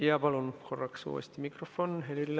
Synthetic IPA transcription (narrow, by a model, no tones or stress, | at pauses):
jɑpɑlunkorːɑksṵːḛst̪imikrofːonɦelilː